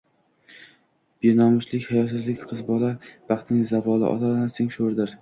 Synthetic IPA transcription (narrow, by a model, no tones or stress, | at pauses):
b̥enɒmʊʃlɪkʲhajɒt̪ʰɪzlɪkʲqʰɨzbɒlab̥ɑχt̪nɪŋzabɒlˠɪ̰ʔɒ̰lalansɪŋʃoɾd̪ɪɾ